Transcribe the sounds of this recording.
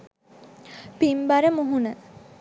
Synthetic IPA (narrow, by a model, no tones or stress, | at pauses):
pimbaɾəmuɦunə